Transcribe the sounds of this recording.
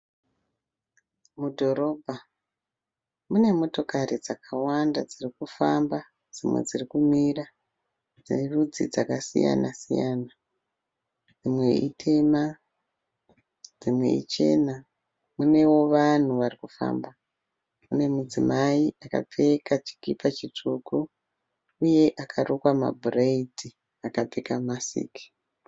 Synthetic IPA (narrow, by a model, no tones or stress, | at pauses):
mudʱo̞ɾo̞bʱa | mune̞mo̞to̞kaɾid͡zakawandad͡zirikufamba | d͡zimwe̞̰d͡zirikumira | d͡zinerud͡zḭd͡zakasḭja̰nasija̰ːna | d͡zimwe̞̰ḭtʰe̞ma | d͡zimwe̞̰ḭt͡ʃe̞̰na | mune̞wo̞ʋan̤uʋarikufa̰ːmba | mune̞mud͡zimaiʔaka̰p͡fe̞kat͡ʃi̥kipat͡ʃit͡ʂuku | uje̞ʔakʰarʔokwama̰bʱureid͡zi | akap͡fekamasḭːki̥